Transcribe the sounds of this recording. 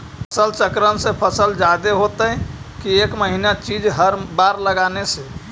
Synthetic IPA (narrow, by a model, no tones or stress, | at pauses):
pʰəsəlt͡ʃəkɾənsẽpʰəsəld͡ʒad̪eɦot̪əkiekməɦinat͡ʃid͡ʒɦəɾbaɾləɡanese